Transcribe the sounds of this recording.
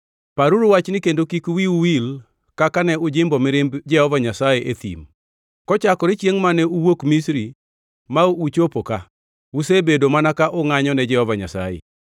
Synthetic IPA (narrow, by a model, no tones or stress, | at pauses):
paɾuɾwat͡ʃnɪkendokikwiuwil | kakanɛʊd͡ʒɪmbɔmɪɾɪmbd͡ʒɛhɔvaɲasajeʔet̪ḭm | kɔt͡ʃakɔɾɪt͡ʃjeŋmanɛuwokmisɾi | mauut͡ʃopoka | usebedomanakaʔʊŋaɲɔnɛd͡ʒɛhɔvaɲa̰sa̰jḛ